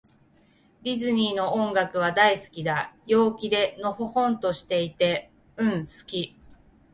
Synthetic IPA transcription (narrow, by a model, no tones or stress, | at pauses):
ɾʲizɨɲ̟ʲiːno̞õŋɡakɯ̟β̞ad̪aisɨ̥kʲid̪ajo̞ːkʲid̪e̞no̞ho̞hõ̞nt̪o̞ɕi̥t̪e̞it̪e̞ | ɯ̟̃ɰ̃sɨ̥kʲi